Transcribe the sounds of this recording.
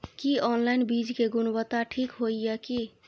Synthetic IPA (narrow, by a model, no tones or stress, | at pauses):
kiɔnlaɪnbid͡ʒkeɡunbət̪aʈʰikɦojjɛki